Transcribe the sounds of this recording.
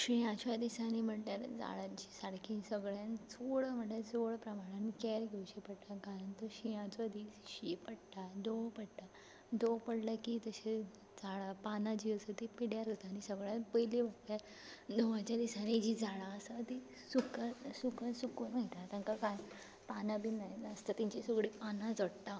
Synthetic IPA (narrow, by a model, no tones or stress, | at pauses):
ɕijãt͡ɕad̪isãnim̤əɳʈjaɾd͡za̰ɭat͡ɕi̥saɽkʰĩsəɡɭjãnt͡sʰoɭəm̤əʈed͡zoɭpɾəmaɽ̃ankɛɾɡʱewɕepəɽt̪akaɾənt̪əɕijãt͡soəd̪ʱiɕipəɽʈ̪ad̪opəɽʈ̪a | d̪opəɽləkit̪əse | d͡zaɭapanad͡ʑiːəsət̪ipiɽjaɾət̪aːñisəɡɭjãnpəjlibʱəʈt̪ja | d̪oʋat͡ɕjad̪isanid͡ʑid͡zaɭaəsat̪i | sukasukəsukunaɦit̪at̪ãŋkakaj | panabiːnajəst̪at̪ĩɲt͡ɕesəɡɽipanãd͡zəɽt̪a